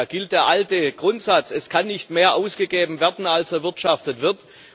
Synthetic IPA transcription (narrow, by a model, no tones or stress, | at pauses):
ɡ̥ɪlt̚d̥eːɐʔaltəɡ̥ʁʊntz̥at͡sɛskʰanːɪçtmeːɐʔaʊsɡ̥əɡeːbm̩vɛɐdn̩alsɛɐvɪɐtʃaftətv̥ɪɐt